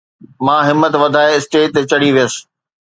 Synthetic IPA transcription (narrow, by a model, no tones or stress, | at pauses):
mãːɦɪmːət̪ʋɐd̪ʱaːeɪsʈeːʈ̚t̪et͡ɕɐɽiʋijəsɪ̥̆